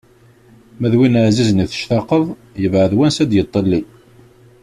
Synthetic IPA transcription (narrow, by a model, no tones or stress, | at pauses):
mæðwinəʕzizniθə̥ʃt̪ɑqːəðˤ | jəvʕəðwænsæd̪jət̪ˤːəlːi